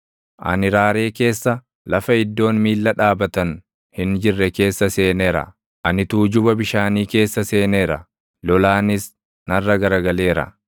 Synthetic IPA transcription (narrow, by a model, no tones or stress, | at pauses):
ʔɐ̰nɪɾaːɾe̞ːke̞ːsːɐ | lɐfɐɪd̪ːo̞ːnmiːlːɐᶑaːbɐt̪ɐn | hɪnd͡ʒɪrːɛke̞ːsːɐse̞ːneːɾɐ̰ | ʔɐnɪt̪uːd͡ʒʊbɐbɪʃaːniːke̞ːsːɐse̞ːneːɾɐ̰ | lɔlaːnɪs | nɐrːɐɡɐɾɐɡɐle̞ːɾɐ̰